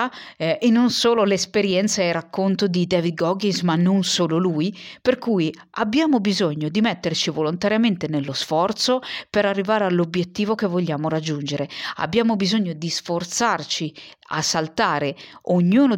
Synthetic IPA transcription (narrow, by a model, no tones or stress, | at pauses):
enːonsoːlolespeɾjɛnt̪saerakʰːont̪od̪id̪ɛːvid̪̚ɡɔɡinsmanːonsoːlolujperkuːj | abːjaːmobizoɲːod̪imɛt̪ːert͡ʃivolont̪aɾjament̪enelːosfɔrt̪sopeɾarːivaːɾealːobjet̪ːiːvokevːoʎːaːmoɾad͡ʒːund͡ʒeɾea̰bːjaːmobizoɲːod̪isfort̪sart͡ʃi | a̰sːalt̪aːɾeoɲːuːno